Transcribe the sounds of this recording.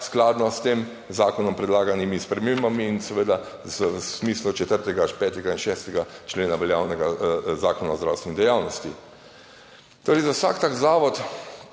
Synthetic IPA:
sklaːd̪nɔst̪eːm | zaːkɔnɔmpɾɛd̪laːɡanimispɾɛmembamiːnsɛʋed̪a | zsmiːslut͡ʃɛt̪əɾt̪ɛɡaʃpɛːt̪ɛɡainʃɛːst̪ɛɡat͡ʃleːnaʋɛljaːwnɛɡazaːkɔnaɔzd̪ɾawst̪ʋɛnid̪ɛjawnɔst̪i | t̪oːɾɛɪzawsa̰kt̪aːkzaːʋɔt̪

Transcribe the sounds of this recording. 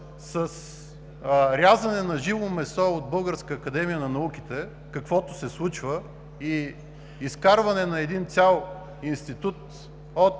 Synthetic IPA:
səs | ɾʲjazɐnɛnɐʒivomɛsɔod̪̚bɤlˠɡəɾskəːkɐd̪ɛmijənɐnɐukʲit̪ɛ | kɐkvɔt̪ʊ̥sɛslˠut͡ʃvə | i | iskaɾvɐnɛnɐɛd̪int̪sʲalˠ | inst̪it̪ut̪ | ot̪

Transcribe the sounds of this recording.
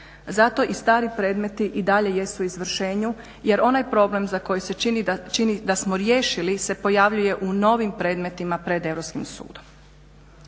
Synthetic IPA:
zat̪o̞ʔist̪aːɾipɾe̞ːd̪me̞t̪iʔid̪aʎe̞je̞suizʋr̩ʃeːɲu | je̞ɾo̞najpɾo̞ble̞mzako̞jise̞t͡ʃinit͡ʃinid̪asmoɾjeːʃilise̞po̞jaʋʎuje̞ʔuno̞ːʋimpɾe̞ːd̪me̞t̪imapɾe̞d̪e̞ʋɾopskimsṵːd̪o̞m

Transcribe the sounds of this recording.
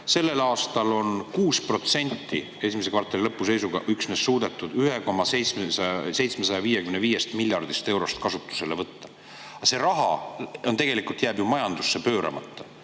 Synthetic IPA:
se̞lːe̞lɑːst̪ɑlo̞nkuːspro̞t̪se̞nʲt̪ːˑi | e̞simesekvɑrt̪ːˑelilɤpːuse̞jsuɡ̥ɑ̰ʔyksmeːsːuːd̪et̪ːˑud̪yɦe̞ko̞mɑsej̪smesse̞jt̪smesɑjɑviːjekymneviːje̞st̪milʲːjɑrd̪̥ist̪e̞wɾo̞st̪kɑsut̪ːˑu̥se̞levɤt̪ːɑ | ɑse̞ɾɑɦɑ̰o̞nt̪e̞ɡ̥e̞likult̪jæːbjumɑjɑnd̪usːe̞pø̞ːɾʔɑ̰mɑ̰t̪ːɑ

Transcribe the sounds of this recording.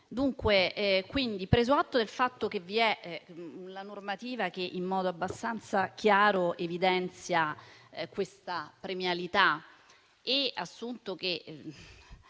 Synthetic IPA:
d̪uŋkwekwind̪ipɾeːzoat̪ːod̪elfat̪ːok̟evːiɛ | lanormat̪iːvak̟eʔimːɔːd̪oabːast̪ant̪sak̟ʰjaːɾoʔevid̪ɛnt̪sjakwest̪apɾemjalit̪a | easːunt̪ok̟e

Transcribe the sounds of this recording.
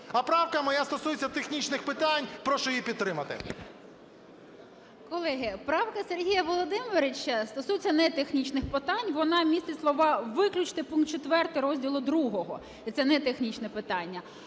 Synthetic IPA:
ɐpɾɑwkɐmɔjast̪ɔsujet͡sʲːɐt̪exnʲit͡ʃnɪxpɪt̪anʲpɾɔʃʊjipʲid̪̚t̪ːɾɪmɐt̪ɪ̰ | kɔlˠɛɦɪpɾɑwkɐserɦʲijɐʋɔlˠɔd̪ɪmʋeɾet͡ʃːɐst̪ɔsujet͡sʲːɐnɛt̪exnʲit͡ʃnɪxpɪt̪ɑnʲʋɔnɑmʲisʲt̪t͡sʲislˠɔʋɑʋɪklʲʊt͡ʃt̪ɪpunkt̪̚t͡ʃet̪ʋɛrt̪ɪɾɔzʲdʲilˠʊd̪ɾuɦɔɦɔ̰ | it̪sɛnɛt̪exnʲit͡ʃnɛpɪt̪ɑnʲːɐ

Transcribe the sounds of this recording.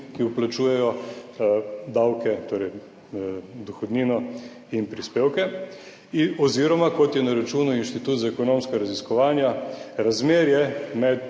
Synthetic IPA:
kiuplat͡ʃuːjɛjɔ | d̪awkɛt̪oːɾɛj | d̪ɔxɔd̪niːnɔ | inpɾispeːwkɛ | ɔziːɾɔmakɔt̪jɛnaɾat͡ʃuːnuinʃt̪it̪uːt̪zaɛkɔnoːmskaɾaziskɔʋaːnjaɾazmeːɾjɛmɛt̪

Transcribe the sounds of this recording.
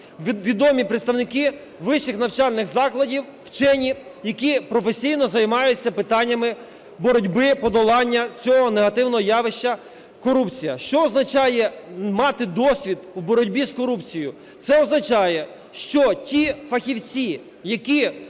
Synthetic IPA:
ʋʲid̪ɔmʲipɾɪt̪st̪ɐwnɪkɪ | ʋɪʃɪxnɐwt͡ʃɑlʲnɪxzɑklˠɐdʲiw | wt͡ʃɛnʲijɐkʲipɾɔfesʲijnɔzɐjmɑjʊt͡sʲːɐpɪt̪ɑnʲːɐmɪ | bɔɾɔdʲbɪpɔd̪ɔlˠɑnʲːɐt͡sʲɔɦɔneɦɐt̪ɪwnɔɦɔjɑʋɪʃt͡ʃɐ | kɔɾupt͡sʲijɐʃt͡ʃɔːznɐt͡ʃɑjɛmɑt̪ɪd̪ɔsʲʋʲid̪wbɔɾɔdʲbʲiskɔɾupt͡sʲijʊ | t̪sɛɔznɐt͡ʃɑjɛ | ʃt͡ʃɔtʲifɐxʲiwt͡sʲi | jɐkʲi

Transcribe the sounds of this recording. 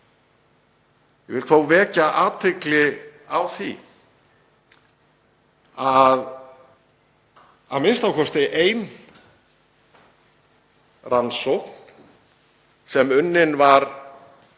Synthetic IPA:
jɛvɪlt̪θowvɛːcaʔaːt̪ʰɪklɪawθḭ | að | a̰ðmɪnst̪awkʰɔst̪eʔejn | rʔansɔwhkn̥ | sɛmʏnːɪnvaɾ

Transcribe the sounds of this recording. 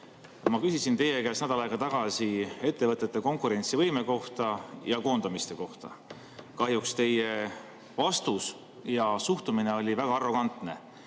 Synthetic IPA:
mɑkysisint̪e̞je̞kæːsnæd̪ɑlɑeɡɑt̪ɑɡ̥ɑsie̞t̪ːe̞vɤt̪ːˑet̪ːˑe̞ko̞ŋkˑuɾe̞nʲt̪sivɤjme̞ko̞ht̪ɑjɑko̞ːnd̪̥ɑmist̪e̞ko̞ht̪ɑ̰ | kɑɦjukst̪e̞je̞ | vɑst̪us | jɑsuht̪umine̞o̞lʲivæɡ̥ɑɑrːo̞ɡ̥ɑnt̪ˑne̞̰

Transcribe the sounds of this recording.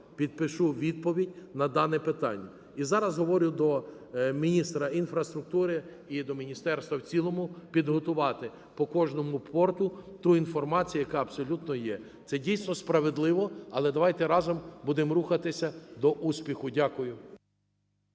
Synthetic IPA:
pʲid̪̚pɪʃuʋʲid̪̚pɔʋʲidʲnɐd̪ɑnɛpɪt̪ɑ̰nʲːɐ | izɑɾɐzɦɔʋɔɾʲʊd̪ɔ | mʲinʲist̪ɾɐinfɾɐst̪ɾʊk̚t̪uɾɪ | id̪ɔmʲinʲist̪ɛrst̪ʋɐwt͡sʲilˠɔmʊpʲid̪ɦɔt̪ʊʋɑt̪ɪ | pɔkɔʒnɔmʊpʰɔrt̪ʊt̪uinfɔrmɑt͡sʲijʊjɐkɑɐbsɔlʲut̪nɔjɛ | t̪sɛdʲijsnɔspɾɐʋed̪lˠɪʋɔɐlˠɛd̪ɐʋɑjt̪ɛɾɑzɔmbud̪ɪmruxɐt̪ɪsʲɐd̪ɔʔusʲpʲixʊdʲakʊjʊ

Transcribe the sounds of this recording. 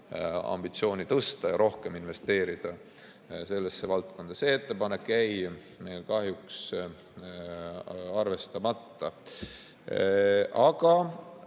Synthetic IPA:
ɑ̰mb̥it̪sio̞ːnʲit̪ɤst̪ɑjɑɾʔo̞hke̞minve̞st̪e̞ːɾid̪̥ɑ | se̞lːesːe̞vɑlt̪ko̞nd̪̥ɑse̞et̪ːe̞pɑne̞kːæj | me̞jlkɑɦjuks | ɑrve̞st̪ɑmɑt̪ːɑ | ɑɡ̥ɑ

